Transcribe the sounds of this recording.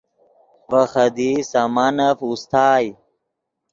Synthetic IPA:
vɐxɐd̪isamaːnɐfust̪ʰaːj

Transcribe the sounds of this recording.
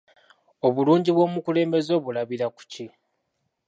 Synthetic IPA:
o̞βuluːɲɟiβwo̞ːmukule̞ːmbe̞zo̞ːβulaβiɾaku̥ci

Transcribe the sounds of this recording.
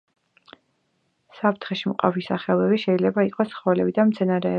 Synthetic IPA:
sapʰɾt̪ʰχɛʃimqʼa̰visaχɛlˠɛbiʃɛilɛbaiqʼɔsχɔɛlɛbid̪amt̪sʰɛnaɾɛː

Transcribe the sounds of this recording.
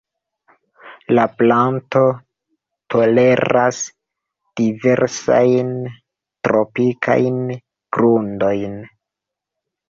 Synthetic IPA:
laplanto̞ | tʰo̞le̞ɾas | d̥ive̞ɾsa̰jn | tɾo̞pikʰa̰jn | ɡ̥ɾundo̞jn

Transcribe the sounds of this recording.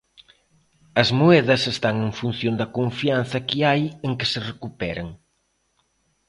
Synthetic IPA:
ɐzmoɛðɐsest̪aŋeŋfun̟θjond̪ɐkoɱfian̟θɐkɪajeŋkeserekupɛɾɐ̰ŋ

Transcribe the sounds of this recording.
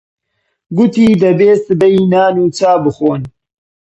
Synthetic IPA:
ɡʊt̪iːd̪ɐbeːsɨbejnaːnuːt͡saːbɨxoːn

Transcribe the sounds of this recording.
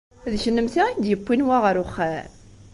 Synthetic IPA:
ðʃənːəmθiæd̪jəpːinwaʁəɾʊχːæ

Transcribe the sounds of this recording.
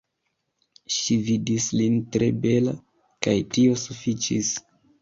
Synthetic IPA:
ʃividislintɾe̞be̞la̰ | kajtio̞sufit͡ʃis

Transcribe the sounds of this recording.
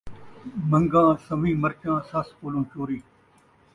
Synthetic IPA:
mə̃ŋɡãːsəmĩːməɾt͡ʃãːsɐskoːlõːt͡ʃoːɾiː

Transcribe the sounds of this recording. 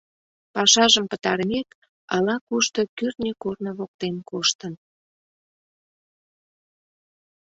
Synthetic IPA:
pɑʃɑʒəmpət̪ɑɾəmek | ɑlɑkuʃt̪okyrt̪nʲekornə̆βok̚t̪enkoʃt̪ən

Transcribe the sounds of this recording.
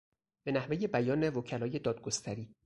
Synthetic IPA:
b̥e̞næhve̞je̞bæjɒːne̞vocʰælɒːje̞d̪ɒːd̪̚ɡo̞st̪ʰæɾiː

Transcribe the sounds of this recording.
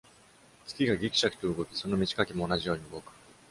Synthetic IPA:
t͡sɨ̥kʲiɡaɡʲikʲi̥ɕakɯ̟̥t̪o̞ɯ̟ɡo̞kʲi̥so̞no̞mʲit͡ɕi̥kakʲimo̞ːnaʑijo̞ːɲ̟iɯ̟ɡo̞kɯ̟̥

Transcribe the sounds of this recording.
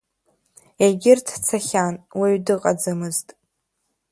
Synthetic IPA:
eɡʲɪrtʰt͡sʰaχʲanwiɥdɨqʼad͡zɨmɨztʼ

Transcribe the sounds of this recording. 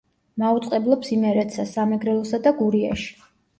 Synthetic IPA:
maut̪sʼqʼɛblˠɔpsimɛɾɛt̪sasamɛɡɾɛlˠɔsad̪aɡuɾia̰ʃi̥

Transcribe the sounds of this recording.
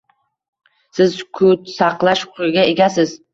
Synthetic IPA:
sɪzkʰʊt̪sɑqlˠaʃqʰʊɾɪɡʲaeɡʲasɪz

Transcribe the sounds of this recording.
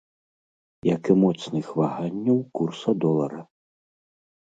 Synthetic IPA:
jɐkɨmɔt̪snɨxvaɣanʲːɐwkursɐd̪ɔlˠɐɾɐ

